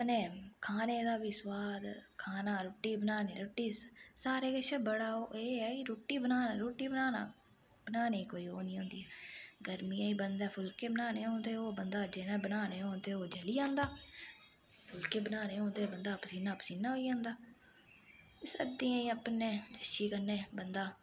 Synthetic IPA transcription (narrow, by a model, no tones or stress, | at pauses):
pneːkʰaːneːd̪aːʋɪswaːd̪kʰaːnaːɾʊːʈːiːbənaːneːɾʊːʈːiːsaːɾeːkəʃəbəɽaːoːeːɛːiɾoːʈːiːbənaːnːɾoːʈːiːbənaːna̰ː | bənaːneːiːkoːiːoːnĩːɦõːnd̪iːɛːɡəɾmĩːãːĩːbənd̪ɛːpʰʊlkeːbənaːneːɦõːnd̪eːoːbənd̪aːd͡ʒeːnɛ̃ːbənaːneːɦõːnd̪eːoːd͡ʒəliːãːnd̪aː | pʰʊlkeːbənaːneːɦõːnd̪eːbənd̪aːpsiːnaːpsiːnãːɦoːiːãːnd̪aː | ɪsə̰d̪ĩːãːĩːəpneːd͡ʒ̪əʃiːkəneːbənd̪aː